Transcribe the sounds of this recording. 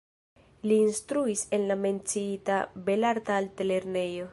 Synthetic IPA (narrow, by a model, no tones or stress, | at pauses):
liːnstɾuise̞nlame̞nt͡siitabe̞laɾtaltele̞ɾne̞jo̞